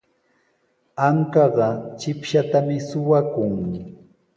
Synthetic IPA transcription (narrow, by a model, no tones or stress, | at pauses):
aŋkɑɢɑt͡ʃɪpʃat̪amɪsʊwakʊŋ